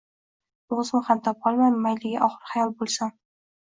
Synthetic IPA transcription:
ozɪmχamt̪ʰɒp̚ɒlˠmanmajlɪɡʲaʔɒχɨɾχajɒlˠbolˠsan

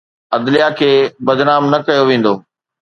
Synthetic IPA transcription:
ɐd̪lijakʰeːbɐd̪naːmnɐkɐjoʋẽːn̆d̪oː

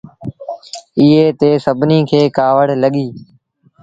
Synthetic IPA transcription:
iːeːt̪eːsəbʱniːkʰeːkaːʋəɽ̤ləɠiː

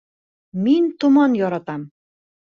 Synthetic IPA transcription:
mint̪umɑnjɒɾɑt̪ɑm

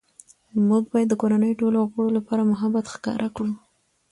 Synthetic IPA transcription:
muɡ̚bɑjad̪ːəkoɾanəjoʈoloɣəɽolapɑɾamʊɦabat̪xkɑ̰ɾʔakɽu

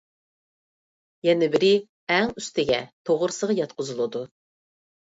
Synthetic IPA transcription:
jɛnɪbɪɾɪ | ɛŋyst̪ɪɡʲɛt̪ʰoʁʊɾsəʁɑjɑt̪qʰʊzulˠɨd̪u

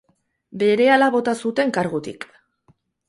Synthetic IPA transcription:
be̞ɾe̞alaβo̞t̪asut̪e̞ŋkaɾɣut̪ḭk

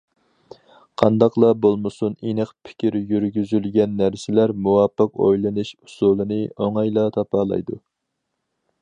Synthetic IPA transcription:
qʰɑnd̪ɑqlˠɑbolˠmɨsunenɨqpʰɪ̥kʲiɾjyɾɡʲyzylɡʲɛnːæɾsɪlæɾmuwɑpːəqo̰jlˠɨnuʃu̥sulˠɨnɨoŋɑjlˠɑt̪ʰɑpʰɑːlˠɑ̰jd̪u

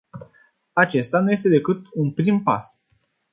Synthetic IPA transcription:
at͡ʃe̞st̪anuje̞s̬t̪ed̪e̞kɨt̪unpɾimpa̰s

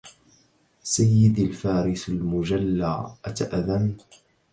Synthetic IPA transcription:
sajːɪd̪alfaːɾɪsalmʊd͡ʒalːa̰ːʔat̪aʔaðam

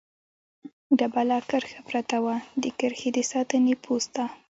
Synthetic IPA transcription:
d̪abalɑkəɾxapɾat̪awad̪əkəɾxed̪əsɑt̪ənepʰost̪a

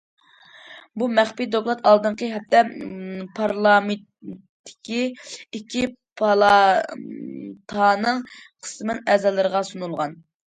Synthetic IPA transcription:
bumæχpid̪oklˠɑt̪ɑlˠd̪ɨɴqəɦɛp̚t̪ɛpʰɑɾlˠɑme | t̪ʰːɪ̥kʲiikʲʰːipʰɑlˠɑ | t̪ʰɑnɨŋqʰə̥smɨnɛzɛlːɨɾəʁɑsunulˠʁɑn

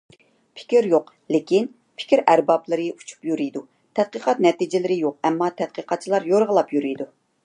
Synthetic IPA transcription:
pʰɪ̥kʲiɾjoq | lɪkʲin | pʰɪ̥kʲʰiɾʔæɾbɑplˠɨɾɨut͡ʃʰu̥pjyɾijd̪u | t̪ʰɛd̪̥̚qəqɑt̪̚nɛt̪id͡ʒɪlɪɾɪjoqɛmːɑt̪ʰɛd̪̚qəqʰɑt̪̚t͡ʃʰilˠɑɾjoɾʁəlˠɑpjyɾyjd̪u

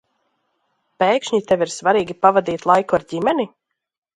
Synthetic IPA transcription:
peːkʃɲit̪eviɾsvaɾiːɡʲipavad̪iːt̪lˠajkuaɾɟʲimɛni

